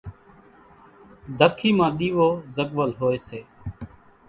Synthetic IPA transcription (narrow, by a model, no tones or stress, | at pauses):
d̪ʱəkʰːiːmãːɗiːʋoːzəkʋəlɦoːeːseː